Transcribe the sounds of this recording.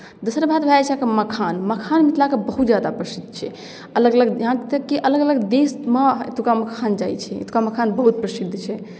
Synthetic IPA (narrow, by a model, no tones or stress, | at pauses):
d̪osəɾbat̪bʱeɛt͡ʃʰãkeməkʰanməkʰanmit̪lakebəɦut̪̚d͡ʒjad̪apɾəsid̪ʱːt͡ʃʰɛ | ələɡələɡɦãkt̪əkːeʔələɡələɡd̪esma̰t̪ukaməkʰand͡ʒajt͡ʃʰɛ̰t̪u̥kaməkʰanbəɦut̪̚pɾəsid̪ʱt͡ʃʰɛ